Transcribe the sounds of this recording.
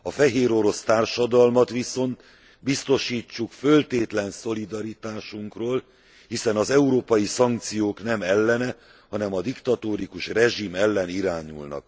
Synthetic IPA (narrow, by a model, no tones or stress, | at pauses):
ɒfɛɦeːɾo̞ɾo̞st̪aːrʃɒd̪ɒlmɒt̪ʋiso̞nt̪ | bist̪o̞ʃiːt͡ʃːukfølt̪eːt̪lɛnso̞lid̪ɒɾit̪aːʃuŋkroːl | hisɛnɒzɛuɾoːpɒjisɒŋk̚t̪sijoːknɛmɛlːɛnɛ | hɒnɛmɒd̪ikt̪ɒt̪oːɾikuʃrɛʒimɛlːɛniɾaːɲṵlnɒ̰k̚